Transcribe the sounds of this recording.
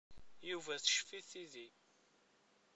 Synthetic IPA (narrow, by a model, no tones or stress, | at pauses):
juvæθə̥ʃfiθiði